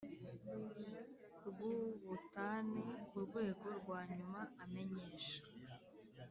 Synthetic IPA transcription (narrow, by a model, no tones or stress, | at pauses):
ɾɡuβutanekuɾɡwe̞ːɡo̞ɾɡwaːɲumaːme̞ɲe̞ːʃḁ